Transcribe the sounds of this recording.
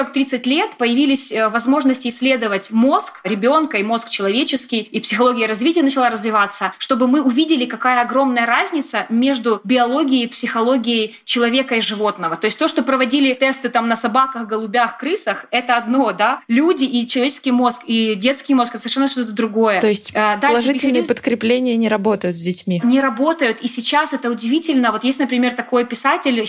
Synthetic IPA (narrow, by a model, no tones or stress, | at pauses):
ak̚t̪ɾʲit̪sɨtʲlʲe̞t̪pəjɪvʲilʲɪsʲvɐzmo̞ʐnəsʲtʲɪːsʲːlʲe̞d̪əvətʲmo̞skɾʲɪbʲo̞nkəimo̞skt͡ɕɪlˠɐvʲet͡ɕɪskʲɪjipsʲɪxɐlˠo̞ɡʲɪjəɾɐzvʲitʲɪjənət͡ɕɪlˠaɾəzvʲɪvat̪sːəʂt̪o̞bɨmɨʊvʲidʲɪlʲɪkɐkajəɐɡɾo̞mnəjəɾazʲnʲɪt̪səmʲe̞ʐd̪ʊbʲɪɐlˠo̞ɡʲɪjəpsʲɪxɐlˠo̞ɡʲɪjəj | t͡ɕɪlˠɐvʲe̞kəɪʐɨvo̞t̪nəvət̪o̞jɪsʲtʲt̪o̞ʂt̪opɾəvɐdʲilʲɪt̪ɛst̪ɨt̪amnəsɐbakəxɡəlˠʊbʲaxkɾɨsəxɛt̪əɐd̪no̞d̪alʲudʲɪʔit͡ɕɪlˠɐvʲet͡ɕɪ̥skʲɪjmo̞skidʲe̞t̪skʲɪjmo̞skɛt̪əsəvʲɪrʂɛnːəʂt̪ot̪əd̪ɾʊɡo̞jət̪o̞jɪsʲtʲad̪alˠɐʐɨtʲɪlʲnɨjəpət̪kɾʲɪplʲenʲɪjənʲɪɾɐbo̞t̪əjʊt̪zʲdʲɪtʲmʲinʲɪɾɐbo̞t̪əjʊt̪isʲɪt͡ɕasɛt̪əʊdʲɪvʲitʲɪlʲnəvo̞t̪jestʲnəpɾʲɪmʲe̞rt̪ɐko̞jpʲɪsatʲɪlʲ